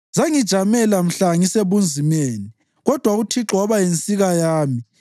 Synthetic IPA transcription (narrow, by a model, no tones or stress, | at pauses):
zaŋid̥ʒ̥ʱamɛlam̩ɬaŋiseβund͡zʱimeːni | ɣɔd̥ʱwautʰiǁʱɔβajent͡sʼiɣajaːmi